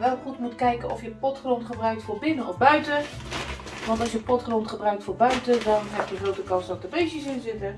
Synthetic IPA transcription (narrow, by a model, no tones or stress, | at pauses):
ʋɛlˠχutmutkɛjkənɔfjəpɔtχromtχəbrœɥk̚tfoːrbɪnənɔfbœɥtə | ʋɑntɑlˠsjəpɔtkrontχəbrœɥk̚tfoːrbœɥtədɔnɦɛp̚jəχrowtəkɑnsdɔt̚dəbejsəsɪnzɪtə